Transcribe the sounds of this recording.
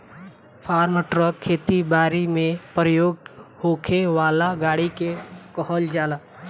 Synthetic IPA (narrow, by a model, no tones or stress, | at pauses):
pʰaːɾməʈɾəkʰːeːt̪ibaːɾimẽpɾəjoːɡhokʰeʋaːlaɡaːɽikekɔɦɔld͡ʒaːla